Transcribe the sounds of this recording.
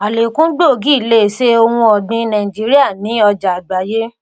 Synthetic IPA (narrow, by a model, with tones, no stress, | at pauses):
a˨le˨kũ˦ɡ͡bo˦˨ɡi˦i˦˨le˦˨se˦o˧wũ˧ɔ˨dĩ˧nã˨ĩ˨d͡ʒi˨˦ɾi˦a˦˨nĩ˨˦ɔ˧d͡ʒa˨ɡ͡ba˨˦je˦